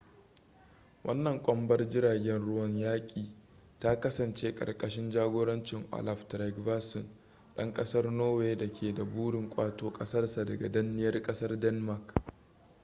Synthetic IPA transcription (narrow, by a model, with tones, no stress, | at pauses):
wʔɐ˦nːɐ˨ŋkʷʼɔ˦mbɐ˦rd͡ʒɪ˦ɾaː˨ɡʲɛ˦nɽʊ˦wɐ˨ɲjaː˦kʲʼiː˨ | ta˦kɐ˦sɐ˨nt͡ʃeː˦kʼɐ̰˨rkʼɐ˨ʃɪ˦nd͡ʒaː˦ɡʷoː˦ɽɐ˦nt͡ʃɪ˨ŋʔa̰˨la˨ftɾa˨ɡvaː˦sɪ˨n | ɗɐ˦ŋkʼɐ˦sɐ˦rnoː˦weː˦dɐ˨kʲʰeː˨da˨buː˦ɽɪ˨ŋkʷʼaː˦toː˦kʼɐ˦sɐ˦rsa˨dɐ˨ɡa˨dɐ˦nːɪ˦jɐ˦rkʼɐ˦sɐ˦rdɛ˦nma˨k